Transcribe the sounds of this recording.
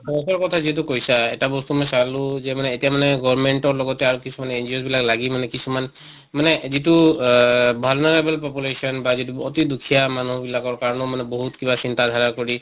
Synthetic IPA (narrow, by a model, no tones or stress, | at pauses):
sɔɔsɔɹkɔt̪ʰaziɦɛt̬ukojsaɛtabɔst̪umɔjsaluzɛmanɛːtijamanɛɡɔɹmeɳʈɔɹlɔɡɔtɛaɹukisʰumanind͡ʒiosbilaklaɡimanɛkisʰuman | manɛzitu | bʱɔlneɹebɛlpɔpulesɔnbazituɔt̪id̪ukʰijamanubilakɔɹkaɹɔnɔmanɛbɔɦut̪kibasint̪ad̪ʱaɹakoɹi